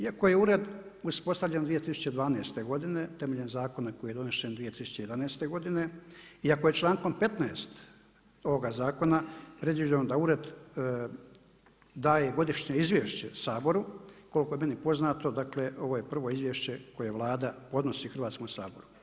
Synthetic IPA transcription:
iako̞je̞uɾe̞d̪uspo̞st̪aʋʎend̪ʋije̞t̪isu̥t͡ɕed̪ʋaːneːst̪e̞ɡo̞d̪ine̞t̪e̞me̞ʎenzaːko̞nako̞jijed̪o̞ne̞ʃend̪ʋijet̪isu̥t͡ɕe̞jed̪anaːst̪e̞ɡo̞d̪ine̞iako̞jet͡ʃlˠaːŋko̞mpe̞t̪naest̪ | o̞ʋo̞ɡazaːko̞napɾe̞d̪ʋid͡ʑand̪auɾe̞d̪ | d̪aːje̞ɡo̞d̪iʃɲe̞izʋjeʃt͡ɕe̞saːbo̞ɾuko̞liko̞jeme̞nipo̞znaːt̪o̞d̪akle̞ʔo̞ʋoje̞pr̩ʋo̞izʋjeʃt͡ɕe̞ko̞je̞ʋlˠaːd̪apo̞d̪no̞siːxr̩ʋaːt̪skomsaːbo̞ɾu

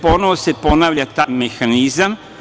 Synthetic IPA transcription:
po̞noʋose̞ponaːʋʎat̪amexanizam

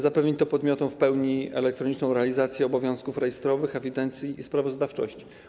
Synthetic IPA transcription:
zapɛvɲit̪ɔpɔd̪mʲjɔt̪ɔw̃fpɛwɲiɛ̰lɛk̚t̪ɾɔɲit͡ʂnɔ̃w̃ɾɛalʲizat̪sʲjɛɔbɔvʲjɔ̃w̃skufɾɛjɛst̪ɾɔvɘxɛvʲid̪ɛnt̪sʲjiːspɾavɔzd̪aft͡ʂɔ̰ɕt͡ɕi̥

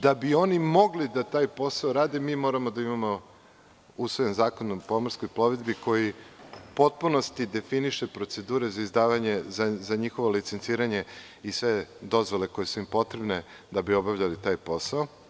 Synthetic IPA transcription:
d̪abio̞nimo̞ɡlid̪at̪aːjpo̞saoɾaːd̪emiːmo̞ɾamo̞d̪aimamo̞ | usʋojenzaːkonopo̞moɾsko̞jplˠo̞ʋed̪biko̞jipo̞t̪̚puno̞st̪id̪e̞finiʃepɾo̞t̪se̞d̪uːɾe̞zaizd̪aːʋaɲe̞zazaɲixo̞ʋo̞lit̪sent̪siːɾaɲe̞ | isʋe̞d̪o̞zʋo̞le̞ko̞jesuimpo̞t̪ɾebne | d̪abio̞bavʎalit̪aːjpo̞saɔ

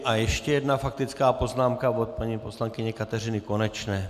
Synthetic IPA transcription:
ʔajɛʃcɛjɛd̪nafak̚t̪ɪt͡skaːpo̞znaːmkavot̪̚paɲiːposlaŋkɪɲɛkat̪ɛr̝ɪnɪko̞nɛt͡ʃnɛː

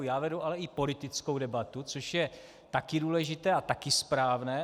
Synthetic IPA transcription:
jaːvɛduʔalɛɪpo̞lɪt̪ɪt͡skowdɛbat̪ut͡soʃjɛ | t̪akɪduːlɛʒɪt̪ɛːat̪akɪspɾaːvnɛː

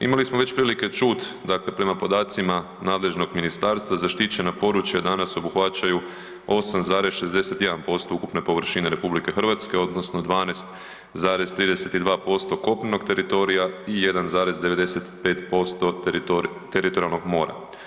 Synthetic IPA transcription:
ḭmalismoʋe̞t͡ɕpɾiːlike̞t͡ʃuːt̪d̪akle̞pɾe̞mapo̞d̪aːt̪sima | naːd̪le̞ʒno̞ɡminist̪aɾst̪ʋazaʃt̪it͡ɕe̞napo̞ɾut͡ʃjad̪anaso̞buxʋat͡ɕaju | o̞samzaːɾe̞zʃe̞zd̪e̞se̞t̪jed̪anpo̞st̪oukupne̞po̞ʋr̩ʃine̞ɾe̞publike̞xr̩ʋat̪ske̞o̞d̪nosno̞d̪ʋaːnest̪ | zaːɾe̞zt̪ɾiːd̪ese̞t̪id̪ʋaːpo̞st̪o̞ko̞pneno̞ɡt̪e̞ɾit̪o̞ɾijaije̞d̪anzaːɾe̞zd̪e̞ʋe̞d̪e̞set̪pe̞ːt̪po̞st̪o̞ | t̪eɾit̪oɾialˠno̞ɡmo̞̰ːɾa̰

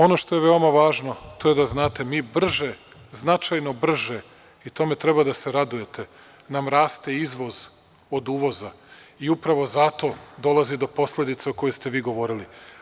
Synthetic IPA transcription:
o̞no̞ʃt̪o̞je̞ʋeo̞maʋaːʒno̞t̪o̞jed̪aznaːt̪e̞miːbr̩ʒe | znat͡ʃajno̞br̩ʒe | it̪o̞me̞t̪ɾe̞bad̪ase̞ɾad̪uje̞t̪ʰe | namɾaːst̪eizʋo̞z | o̞d̪uːʋo̞za | iupɾaʋo̞zat̪o̞d̪o̞lˠazid̪o̞po̞slʲe̞d̪it̪seoko̞jest̪e̞ʋiːɡo̞ʋo̞ɾili

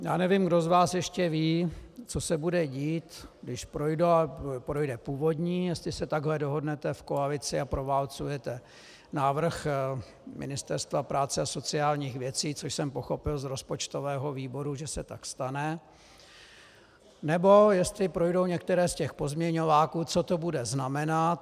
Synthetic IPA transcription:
jaːnɛvimɡdo̞zvaːsjɛʃcɛviːt͡so̞sɛbudɛɟiːt̪ɡdɪʃpɾo̞jdopɾo̞jdɛpuːvo̞dɲiːjɛst̪lɪsɛt̪aɡɦlɛdoɦo̞dnɛt̪ɛfkoalɪt͡sɪapɾo̞vaːlt͡sujɛt̪ɛ | naːvr̩x | mɪ̰nɪst̪ɛɾst̪vapɾaːt͡sɛaso̞t͡sɪaːlɲiːxvjɛt͡siːt͡soʃsɛmpo̞xo̞pɪlzɾo̞spo̞t͡ʃt̪o̞vɛːɦo̞viːbo̞ɾuʒɛsɛt̪akst̪anɛ | nɛbo̞jɛst̪lɪpɾo̞jdo̞wɲɛk̚t̪ɛɾɛːscɛxpo̞zmɲɛɲo̞vaːkuːt͡so̞t̪o̞budɛznamɛnat̪

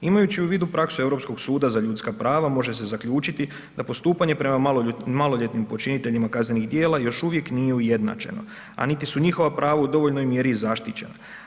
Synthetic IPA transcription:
imajut͡ɕiuʋiːd̪upɾaksue̞vɾo̞psko̞ɡsuːd̪azaʎuːt̪skapɾaːʋamo̞ʒe̞se̞zakʎuːt͡ʃit̪i | d̪̥apo̞st̪uːpaɲe̞pɾe̞mamalo̞ʎe̞t̪nimpo̞t͡ʃinit̪e̞ʎimakazne̞niɣd̪je̞ːlajo̞ʃuʋje̞knije̞uje̞d̪na̰t͡ʃe̞̰no̞̰ | a̰nit̪isuɲixo̞ʋapɾaːʋaud̪o̞ʋo̞ʎno̞jmje̞ɾizaʃt̪it͡ɕe̞̰na̰

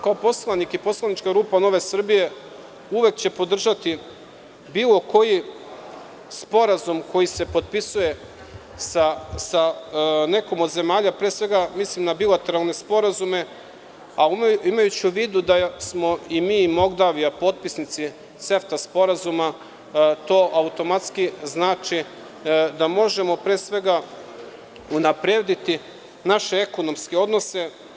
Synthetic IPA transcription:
kaopo̞slˠanikipo̞slˠanit͡ʃkaɡɾuːpano̞ʋe̞sr̩bije̞ | uʋe̞kt͡ɕe̞po̞d̪r̩ʒat̪i | biːlˠo̞ko̞ji | spo̞ɾazumko̞jise̞po̞t̪̚pisuje̞ | sasane̞ko̞mo̞d̪ze̞maːʎapɾesʋe̞ɡamislimnabilat̪e̞ɾalˠne̞spo̞ɾazume̞ | aimajut͡ɕiuʋiːd̪ud̪asmo̞imiːmoɡd̪aʋiapo̞t̪̚pisnit̪si | se̞ft̪aspo̞ɾazuma | t̪o̞ːʔaut̪o̞mat̪skiznaːt͡ʃi | d̪amo̞ʒe̞mo̞pɾeːsʋe̞ɡa | unapɾeːd̪it̪i | naʃe̞eko̞no̞mske̞o̞d̪no̞se̞

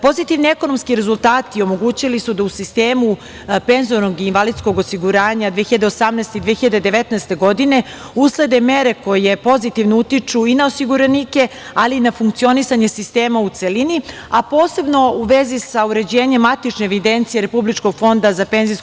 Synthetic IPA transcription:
po̞zit̪iʋnieko̞no̞mskiɾe̞zult̪aːt̪io̞mo̞ɡuːt͡ɕilisud̪ausist̪eːmu | pe̞nzoɾnoɡiːnʋalid̪sko̞ɡosiɡuɾaːɲad̪ʋeːxiʎad̪e̞osamnɛest̪eid̪ʋexiʎad̪ed̪eʋet̪nɛːst̪e̞ɡo̞d̪ine̞ | usle̞d̪e̞me̞ɾe̞ko̞je̞po̞zit̪iʋnout̪it͡ʂuinao̞siɡuɾenike̞alinafuŋkt̪sio̞nisaɲe̞sist̪e̞ːmaut̪se̞lini | apo̞ːse̞bno̞uʋe̞zisauɾe̞d͡ʑeːɲe̞mːat̪it͡ʃneːʋid̪ent̪sijeɾe̞publit͡ʃko̞ɡfo̞nd̪azape̞nzis

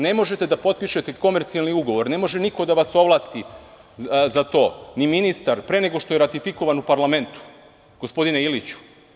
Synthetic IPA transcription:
ne̞mo̞ʒe̞t̪e̞d̪apo̞t̪̚piʃe̞t̪e̞ko̞me̞ɾt̪sialniuɡo̞ʋo̞ɾne̞mo̞ʒe̞niko̞d̪aʋaso̞ʋlˠaːst̪i | zat̪o̞ːniminist̪aɾpɾe̞ne̞ɡo̞ʃt̪o̞jeɾat̪ifiko̞ʋanupaɾlˠame̞nt̪u̥ | ɡ̥o̞spo̞d̪ineilit͡ɕu̥

